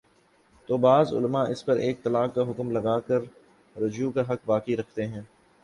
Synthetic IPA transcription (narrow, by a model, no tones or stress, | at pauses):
t̪oːbaːzʊ̰lmaʔɪspɐɾʔeːk̚t̪ɐlaːkːaɦʊkmlɐɡaːkɐɾ | ɾɐd͡ʒukaɦɐkbaːkiɾɐkʰt̪eɦɛ̃ː